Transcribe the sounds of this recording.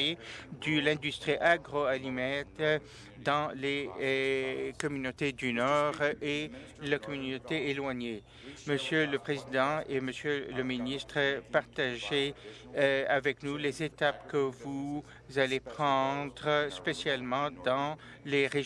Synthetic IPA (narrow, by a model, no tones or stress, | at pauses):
ed̪əlɛ̃d̪yst̪χiʔaɡʁoalimɛt̪ | d̪ɑ̃le | kɔmynot̪ed̪ynɔʁe | lakɔmynot̪eelwaɲe | məsjøləpχezid̪ɑ̃eməsjøləminist̪χəpaʁt̪aʒe | avɛknulezet̪apkəvu | zalepχɑ̃d̪ʁəspesjalmɑ̃d̪ɑ̃ | leʁe